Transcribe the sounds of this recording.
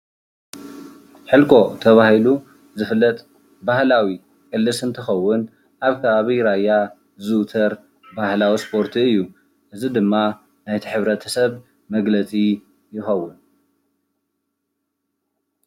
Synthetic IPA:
ħɨlkʰo̞t̪ʰɐβahilu | zɨfɨlːɐt̪ʼ | bahlawi | kʼɨlːɨsɨnt̪ʰɨxɐwːʊn | ʔaβkʰɐβaβiɾajːa | zɨt̪ʰɐɾ | bahlawispʰo̞ɾt̪ʰiɨjːu | ʔɨzid̪ɨmːa | najt̪ʰiħɨβɾɐt̪ʰɐ̥sɐβ | mɐɡlɐt͡sʼi | jɪxɐwːʊn

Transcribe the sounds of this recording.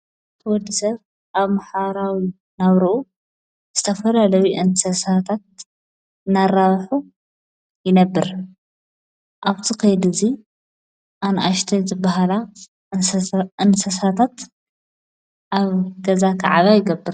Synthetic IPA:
t̪ʰɐwɔd̪ːisɐβ | ʔaβmaħaɾawi | naβɾuʔu | z̥ɨt̪ʰɐfɐlalɐwuʔɨnsɐsat̪ʰat̪̚ | ɨnaraβħu | jɪnɐbːɨɾ | ʔaβt̪ʰikʰɐjd̪uzi | ʔanʔaʃt̪ʰɐzɨbːaɦala | ʔɨnsɐsat̪ʰat̪ | ʔaβɡɐzakʰa̰ʕaβajɪɡɐbːɨɾ

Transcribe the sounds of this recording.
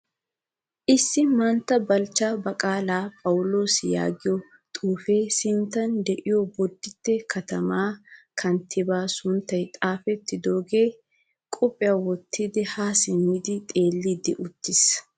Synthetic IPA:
ʔɪsːɪmɐnt̪ːɐbɐlt͡ʃːaːbɐkʼaːlaːpʼɐwʊlo̞ːsɪja̰ːɡɪjɔ | t̪ʼuːfe̞ːsɪnt̪ːɐnd̪ɛʔɪjɔbɔd̪ːɪt̪ːɛkʰɐt̪ɐmaːkʰɐnt̪ʰːɪbaːsʊnt̪ːɐjt̪ʼaːfɛt̪ːɪd̪o̞ːɡe̞ː | kʼɔpʼːɪjawɔt̪ʰːɪd̪ɪhaːsɪmid̪ɪt̪ʼe̞ːlːɪd̪ɪʔʊt̪ːɪs

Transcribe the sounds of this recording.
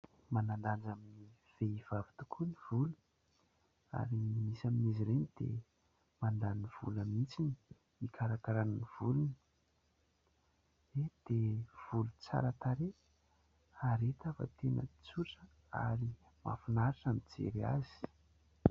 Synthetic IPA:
manand̪and͡zamini | v̥eiv̥avi̥t̪u̥kʰuniv̥ulu | a̰ɾimisaminiziɾenid̪̥ḛ | mand̪aniv̥ṵləmint͡sini | ikʰaɾakaɾanniv̥ulunə | ed̪̥ev̥ulut͡sa̰ɾət̪aɾe | aɾet̪afə̰t̪enə̰t͡suʈ͡ʂə | a̰ɾi | ma̰funaɾaʈ͡ʂamid͡zḛɾia̰zi̥

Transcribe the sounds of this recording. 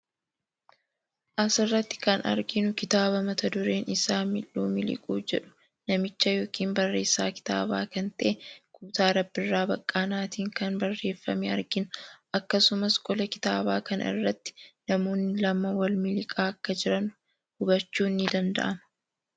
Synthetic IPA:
ʔɐsɪrːɐt̪ːɪ̥kɐnɐ̰ɾɡɪnʊkɪt̪aːbɐmɐt̪ɐd̪ʊɾe̞ːnɪsaːmɪlːuːmɪlɪ̰kʼuːd͡ʒɛᶑʊ̥ | nɐmɪt͡ʃːɐjo̞ːkiːmbɐrːe̞ːsːaːkɪ̥t̪a̰ːbaːkɐnt̪ɐʔɛkuːt̪aːɾɐbːɪrːaːbɐkʼːaːnaːt̪iːŋkɐnbɐrːe̞ːfːɐ̰mɛɐ̰ɾɡɪnʊʔɐkːɐsʊmɐskʼɔlɐkɪ̥t̪aːbaːkɐnɪ̰rːɐt̪ːɪ̥nɐmo̞ːnːɪlɐmɐwɐlmɪlɪkʼaːɐkːɐd͡ʒɪɾɐnʊ | hʊbɐt͡ʃːuːnːɪd̪ɐnd̪ɐ̰ʔɐmɐ

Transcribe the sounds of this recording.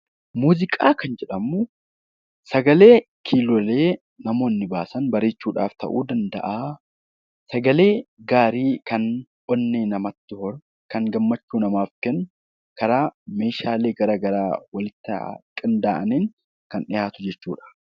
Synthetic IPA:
muːzɪkʼaːkɐnd͡ʒɛᶑɐmːu | sɐɡɐle̞ː | kʰiːlɔleː | nɐmo̞ːnːɪbaːsɐnbɐɾe̞ːt͡ʃːuːᶑa̰ːft̪ɐ̰ʔuːd̪ɐnd̪ɐ̰ʔaː | sɐɡɐleːɡaːɾiːkɐnʔɔnːeːnɐmɐt̪ːɪhɔɾ | kɐŋɡɐmːɐt͡ʃːuːnɐmaːfkɛn | kɐɾaːme̞ːʃaːleːɡɐɾɐɡɐɾaːwɐlɪt̪ːɐ̰kʼɪnd̪aːʔɐniːn | kɐnɪjaːt̪ʊd͡ʒɛt͡ʃːuːᶑɐ̥

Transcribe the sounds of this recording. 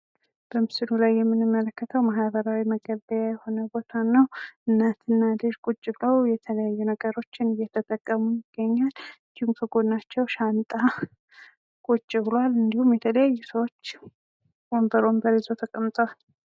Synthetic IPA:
b̥əmɨsɨlulajːɛmːɨnɨmːələkːət̪ʰəwmaɦβəɾawiməɡəβəjajɛho̞nəbo̞t̪ʰanːəwʔɨnːat̪ʰɨnːalɨʒkʼut͡ʃʼːɪbləwjɛt̪ʰələjajːunəɡəɾo̞t͡ʃːɪnɨjːɛt̪ʰət̪ʼːəkʼːəmujɪɡ̥ːəɲːalɨnd̪ihumkʰəɡo̞nːat͡ʃːɛwʃant̪ʼa | kʼot͡ʃʼːɪblwalɨnd̪ihumjɛt̪ʰələjajːusəwot͡ʃː | ombəɾo̞mbəɾizot̪ʰəkʼəmt̪ʼəwal

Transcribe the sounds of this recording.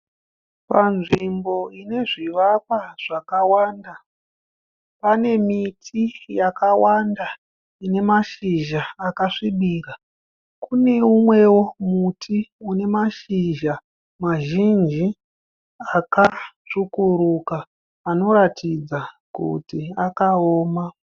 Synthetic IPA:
panʐimbo̞ine̞ʐiʋap̚aʐ̥akawaːnda | pane̞mitʰijakawanda | ine̞maʃiʒaːkaʂiɓiːra | kune̞umwe̞wo̞mutʰiune̞maʃiʒa | maʒind͡ʒi | akaʂukuɾukaː | no̞ɾatʰid͡za | kṵtiakaoːma

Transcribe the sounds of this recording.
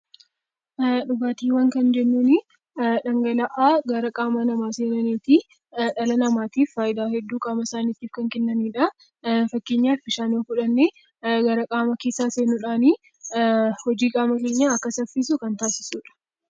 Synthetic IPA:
ᶑʊbaːt̪iːwɐŋkɐnd͡ʒɛnːuːnɪ | ᶑɐŋɡɐlɐʔaːɡɐɾɐkʼaːmɐnɐmaːseːɾɐneːt̪iː | ᶑɐlɐnɐmaːt̪iːfːaːjɪd̪aːhɛd̪ːuːkʼaːmɐsaːniːt̪iːfkɐŋkɪnːɐmiːᶑɐ | fɐkːeːɲːaːfbɪʃaːnoːkʊᶑɐnːeː | ɡɐɾɐkʼaːmɐkeːsːaːseːnʊᶑaːniː | hɔd͡ʒiːkʼaːmɐke̞ːɲːaɐkːɐsɐfːis̬ʊkɐnt̪aːsɪ̥suːᶑɐ̥

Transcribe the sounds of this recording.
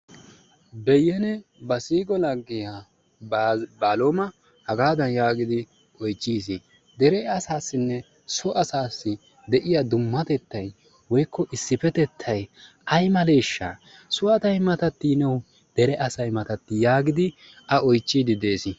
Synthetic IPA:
bɛjːɛnɛbɐsiːɡɔlɐɡːɪjaː | baːlomɐ | hɐɡaːd̪ɐnjaːɡɪd̪ɪ | ɔjt͡ʃːiːs̬i | d̪ɛɾɛɐsaːsːɪnːɛ | sɔʔɐsaːsːɪ | d̪ɛʔɪjad̪ʊmːɐt̪ɛt̪ːɐj | wɔjkːɔʔɪsːɪfɛt̪ɛt̪ʰːɐjʔɐjmɐle̞ːʃːa̰ː | sʊɐt̪ɐjmɐt̪ɐt̪ːinɛw | d̪̥ɛɾɛʔɐsɐjmɐt̪ɐt̪ːɪjaːɡɪd̪ɪ | ɐɔjt͡ʃːiːd̪ɪd̪e̞ːsɪ

